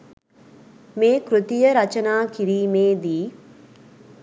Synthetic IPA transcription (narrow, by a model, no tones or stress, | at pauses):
meːkɾut̪ijəɾɐt͡ʃənaːkiɾiːmeːd̪iː